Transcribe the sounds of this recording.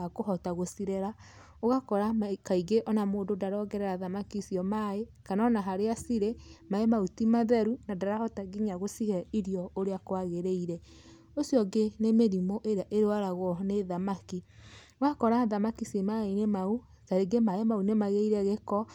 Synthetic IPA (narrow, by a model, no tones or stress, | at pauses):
akoɦɔtaɣosiɾɛɾa | oɣakɔɾakaiɡeʔɔnamoːdodaɾɔɡɛɾɛɾaðamakisiɔmaekanɔnaɦaɾeasiɾemaemautimaðɛɾunadaɾahɔtaɡiɲaɣosihɛiɾjɔoɾeakwaɣeɾeiɾɛ | osjɔɡenemeɾimoʔeɾeaʔeɾewaɾaɣɔneðamakioɣakɔɾaðamakisimaenemau | taɾeɡemaemaunemaɣeiɾɛɣekɔ